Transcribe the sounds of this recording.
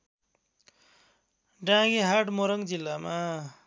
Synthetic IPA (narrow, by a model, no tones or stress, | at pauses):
ɖãɡiɦaʈmoɾʌŋd͡zilːama